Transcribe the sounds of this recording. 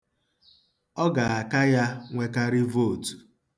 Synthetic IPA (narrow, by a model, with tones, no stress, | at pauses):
ɔ˦ɡa˨a˨ka˦ja˦ŋʷe˦ka˦ɾi˦vo˦˨tu̥˨